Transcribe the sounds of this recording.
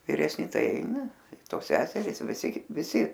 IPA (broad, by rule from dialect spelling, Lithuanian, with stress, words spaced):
ʋʲɪrʲɛsʲˈnʲɪ ˈtɐɪ ˈɐɪnɐ ˈtoːs ˈsʲæːsʲɛrʲɪs ʋʲɪˈsʲɪ ʋʲɪˈsʲɪ